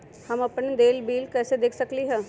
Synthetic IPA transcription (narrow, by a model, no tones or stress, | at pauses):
hɐmɐpnd̪eːlbiːlkɛːsed̪eːkʰsɐkliɦɛː